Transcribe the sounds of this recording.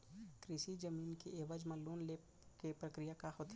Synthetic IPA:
kɾiʃid͡ʒəmiːnkeʔeːʋəd͡ʒmə̃loːnleːp | kepɾəkɾɪjakaɦoːt̪

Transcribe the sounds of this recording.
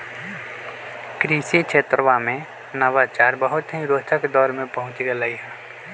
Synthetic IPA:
kɾiːsikt͡ʃʰet̪ɾəʋamẽ | nəʋat͡ʃaːɾbəɦʊt̪ɦĩɾoːt̪ʰəkd̪ɔːɾmẽpəɦʊ̃t͡ʃɡəlaiɦɛ̃ː

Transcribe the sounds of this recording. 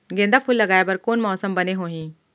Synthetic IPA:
ɡẽːnd̪aːpʰʊlːəɡaːjebəɾkoːnmɔːsəmbəneːɦoːɦĩː

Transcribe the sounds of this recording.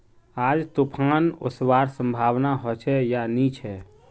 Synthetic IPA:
ad͡ʒt̪upʰano̰swaɾsə̃mbʱawnaɦɔt͡ʃʰɛjanit͡ʃʰɛ

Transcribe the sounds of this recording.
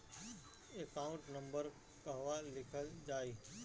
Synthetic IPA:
ekaːʊ̃ɳʈnɐ̃mbəɾ | kɐɦʋalɪkʰəld͡ʒaːiː

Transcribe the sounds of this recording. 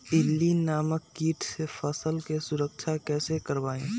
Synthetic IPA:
ɪlːinaːməkːiːʈʰsefʰəsəlkesʊɾək̚t͡ʃʰakɛːsekəɾʋaːẽː

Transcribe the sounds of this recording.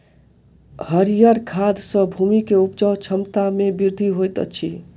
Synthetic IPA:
həɾijəɾkʰaːd̪sə̃bʱuːmikeʊpt͡ʃɔːt͡ʃʰəmt̪amẽbɪɾd̪ʱiɦoːjt̪ə̰tːʃʰi

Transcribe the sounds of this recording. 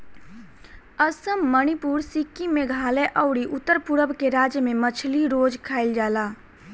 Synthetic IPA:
əsəmːəñipuːɾsikːimẽɡʱaːleʔəːʊɽiʔʊt̪ːəɾpʊɾəbkeɾaːd͡ʒjəmẽmət͡ʃʰliɾoːd͡ʒkʰaːɪld͡ʒaːlaː

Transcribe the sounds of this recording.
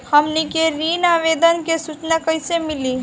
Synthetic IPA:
həmnikeɾiːnaːʋeːd̪ənkesut͡ʃnakəɪsemɪliː

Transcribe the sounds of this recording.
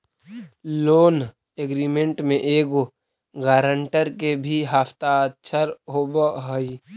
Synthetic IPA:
loːn | eɡɾiːmẽɳʈmẽʔeːɡo | ɡaːɾə̃ɳʈəɾkebʱiɦaːft̪aətt͡ʃʰəɾɦoːbəɦoi

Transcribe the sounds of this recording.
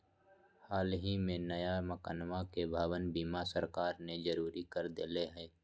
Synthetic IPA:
haːlɦimẽnəjaməkaːnʋakebʱaːʋənbiːmasəɾkaːɾned͡ʒəɾuːɾikəɾd̪ɪleɦɛ̃ː

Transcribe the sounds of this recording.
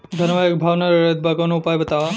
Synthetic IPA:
d̪ʱɐnʋaekbʱaːʋnaɾɾət̪̚bʱaɡanoʊpaːjbɐt̪a

